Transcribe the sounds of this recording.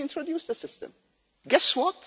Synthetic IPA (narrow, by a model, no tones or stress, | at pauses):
ɪ̃ntʰɹodjuːsəsɪstə̰̃m | ɡɛswɔt